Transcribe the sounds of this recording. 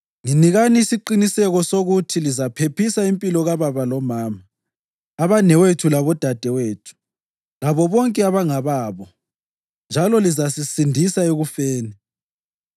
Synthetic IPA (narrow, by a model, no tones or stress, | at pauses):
ŋiniɣaniːsiǃinisɛɣɔsoɣutʰilizapʰepʰisaimpʼilɔɣaβaβalɔmaːmaː | βanɛwetʰulaβɔd̥ʱad̥ʱɛweːtʰu̥ | laβɔβɔŋkʼɛaβaŋaβaːβɔ | nd͡ʒʱalɔlizasisindʱisaeɣufeːni